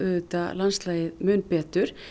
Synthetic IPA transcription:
ʏːt̪a̰lanst̪laːjɪðmœnpɛːt̪ʏɾ̥

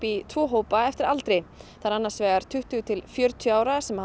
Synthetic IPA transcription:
pit̪ʰvɔːɦoːwpaɛft̪ɪɾalt̪ɾɪθaɾanːaɾ̥svɛːɣaɾ̥t̪ʰʏht̪ʏt̪ʰɪlfjœɾt̪ʰjaːwɾasɛmha

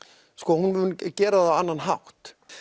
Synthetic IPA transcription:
skɔːhunvʏncɛːɾaðaanːanɦawht̪

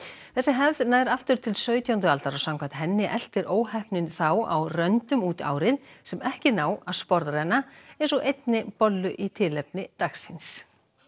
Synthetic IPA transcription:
θɛsːɪɦɛvðnaːjɾaft̪ʏɾ̥t̪ʰɪlsœːɥt̪jawnt̪̬ʏalt̪aɾɔsawŋkat̪ɦɛnːɪʔɛl̥t̪ɪɾʔoːwhɛhpnɪnθawa̰wrœnt̪ʏmuːt̪a̰ːwɾɪðsɛmɛhcɪnaːwaðspɔɾðrajnaejnsɔʔejt̪nɪpɔlːʏʔit̪ʰɪlɛpnɪt̪aksɪns

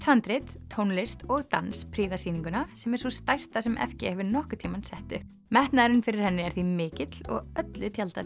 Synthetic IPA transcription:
t̪ʰant̪ɾɪt̪ʰːownlɪst̪ɔɣt̪a̰nspʰɾiːðasiːniŋkʏnasɛmɛɾ̥svɔst̪ajst̪asɛmʔɛ̰fcɪɛvɪɾnɔhkʏ̥t̪ʰiːmansɛht̪ʏ | mɛht̪naðɪɾɪnfɪɾɪɾ̥hɛnːɪɛɾθimɪːcɪt̪l̥ɔ̰ɣœt̪lʏt̪ʰjalt̪a

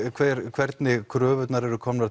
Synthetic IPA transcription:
kʰvɛɾkʰvɛɾt̪nɪkʰɾœːvʏt̪naɾɛɾʏkʰɔmna

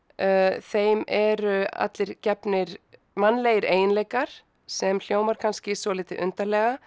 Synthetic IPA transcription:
θejmɛɾʏa̰t̪lɪɾcɛpnɪɾ | manːleːjɪɾeːjɪnleːjkaɾ̥ | sɛml̥joːwmaɾ̥kʰanscɪsvɔlɪːt̪ɪʔʏnt̪alɛːɣa

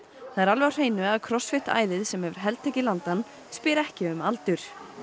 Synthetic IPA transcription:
θaðɛɾalvar̥eːjnʏaðkʰɾɔsfɪht̪a̰ːjðɪðsɛmhɛvʏɾ̥ɦɛlt̪ʰɛːcɪlant̪an | spɪɾɛhcɪʏmalt̪ʏɾ̥

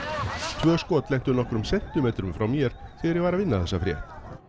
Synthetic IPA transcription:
t̪ʰvœːskɔːt̪lɛjht̪ʏnɔhkɾʏmsɛn̥t̪ʏmeːt̪ɾʏmfɾawmjɛɾ̥θɛɣaɾjɛɣvaːɾavɪnːaθɛsːafɾjɛ̰ht̪

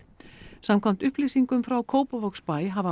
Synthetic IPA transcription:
samkʰvam̥t̪ʏhpliːsiŋkʏmfɾawkʰoːwpavɔkspajɦava

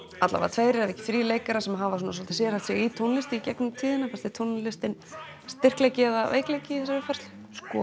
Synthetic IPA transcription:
at̪la̰a̰t̪ʰveːjɾɪɾɛvɛhcɪ̥θɾiːleːjkaɾasɛmɦavasuːnasɔlt̪ɪ̥sɛɾhalt̪sjɛɣit̪ʰownlɪst̪ɪicɛknʏmt̪ʰiːðɪnapast̪ɪt̪ʰownlɪst̪ɪn | st̪ɪr̥klejcɪɛðavḛːjklejcɪiθɛsaɪfar̥st̪l | skɔ̰

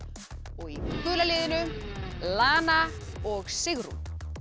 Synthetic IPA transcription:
ɔɣikʏːlalɪːðɪnʏlaːna | ɔɣsɪɣɾṵ

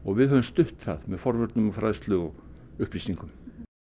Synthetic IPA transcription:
ɔɣvɪðɦœvʏmst̪ʏht̪θaðmɛðfɔɾvœɾt̪nʏmɔwfɾajst̪lʏɣɔɣʏhplisiŋkʏm

